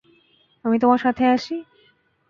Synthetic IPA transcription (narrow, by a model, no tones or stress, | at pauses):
amit̪omaɾʃat̪ʰeaʃi